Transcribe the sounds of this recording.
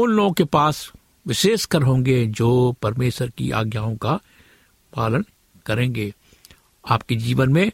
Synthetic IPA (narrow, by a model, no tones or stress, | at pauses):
ʊnloːɡõkepaːs | ʋɪʃeːʃkɐɾɦõːŋ̆ɡed͡ʒoːpɐɾmeːʃəɾkḭʔa̰ːɡjaːõka | paːlən | kɐɾẽːŋɡeː | aːpked͡ʒiːʋənmẽ